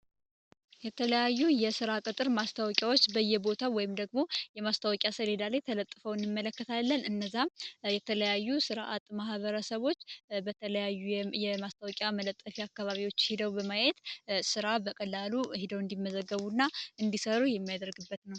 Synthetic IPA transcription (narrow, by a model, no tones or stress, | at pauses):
jɛt̪ʰələjajːujɛsɨɾakʼɨt̪ʼɨɾmast̪ʰawɔkʲʼjawot͡ʃːbəjːɛbo̞t̪ʰawɔjɪmd̪əɡmo̞jɛmast̪ʰawɔkʼjasəled̪alajt̪ʰələt̪ʼːɨfəwɨnːɨmːələkːət̪ʰalːənɨnːəzːajɛt̪ʰələjajːusɨɾʔat̪mahβəɾəsəβo̞t͡ʃːbət̪ʰələjajːujɛmast̪ʰawɔkʼjamələt̪ʼːəfiakːaβaβiwo̞t͡ʃːhɪd̪əwbəmajet̪sɨɾabəkʼəlːaluhɪd̪əwɨnd̪imːəzəɡːəβunːaɨnd̪isəɾujɛmːijad̪əɾɡɨbːət̪nəw